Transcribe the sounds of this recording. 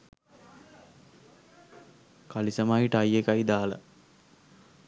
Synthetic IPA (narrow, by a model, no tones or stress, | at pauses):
kalisəmaɦiʈəajːekaid̪aːlə̰